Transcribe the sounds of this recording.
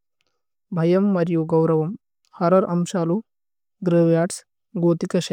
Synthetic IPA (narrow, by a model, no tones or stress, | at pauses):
bʱɐjɐmːɐɾjoːɡɐwɾɐʋɐm | hɐɾɐɾʔɐmʃaːlu | ɡ̪ɾɐʋjaːʈs | ɡoːt̪ikɐʃɐ